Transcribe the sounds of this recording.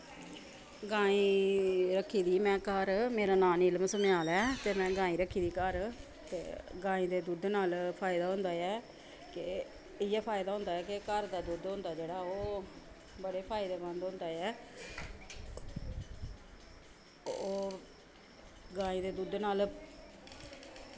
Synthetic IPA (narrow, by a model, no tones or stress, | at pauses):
ɡãːĩːɾəkʰːiːd̪iːmɛ̃ːkəɾmeːɾaːnaːniɪlmsəmeaːlɛːt̪eːmɛ̃ːɡãːĩːɾəkʰːiːd̪iːkəɾ | t̪ḛːɡãːĩːd̪eːd̪uːd̪naːlpʰaːɪd̪aːɦʊ̃ːnd̪aːɛː | kɪ | ɪjɛːpʰaːɪd̪aːɦʊ̃ːnd̪aːɛːkɪkəɾd̪aːd̪uːd̪ɦõnd̪aːd͡ʒeːɽaːoː | bəɽeːpʰaːɪd̪eːbə̃nd̪ʊ̃ːnd̪aːɛː | oː | ɡãːĩːd̪eːd̪uːd̪naːl